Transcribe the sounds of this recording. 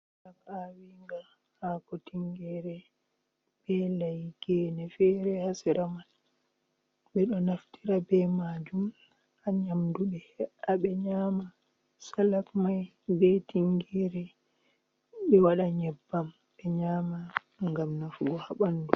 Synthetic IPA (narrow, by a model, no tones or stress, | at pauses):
slafawiŋɡa | hakɔtiŋɡɛɾɛ | bɛlajɡɛnɛfɛɾɛhasɛɾaman | ɓɛɗɔnaftiɾabɛmad͡ʒum | aɲamduɓɛhɛʔaɓɛɲaːma | salafmaj | bɛtiŋɡɛɾɛ | ɓɛwaɗaɲɛbːam | ɓɛɲaːma | ŋɡamnafuɡɔhaɓandu